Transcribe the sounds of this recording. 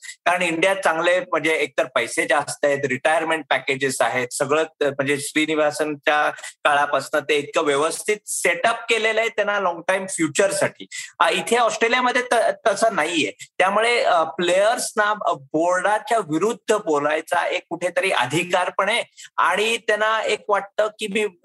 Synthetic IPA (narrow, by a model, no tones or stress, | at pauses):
kaɾəɳiɳɖijat͡sãŋɡlem̤əɳd͡zeːk̚t̪əɾpəjsed͡ʑast̪aɦet̪̬ɾiʈajəɾmeɳʈ̚pæked͡ʑesaɦet̪səɡɭəm̤əɳd͡zeɕɾiniʋasənt͡ɕakaɭapəsnət̪eːt̪̚kəʋjəʋəst̪ʰit̪̚seʈəp̚kelelaɦet̪anːalɔŋɡʈaimfjut͡ɕəɾsaʈʰḭːit̪ʰeɔsʈɾelijaməd̪ʱːjet̪ət̪əsənaijet̪jamuɭeplejəɾsnaboɾɖat͡ɕjaʋiɾud̪ʱːəbolajt͡sa̰ʔekːuʈʰet̪əɾiʔə̰d̪ʱikaɾpəɳ̃ea̰ɽ̃it̪enaekʋaʈ̚t̪əkiːmiː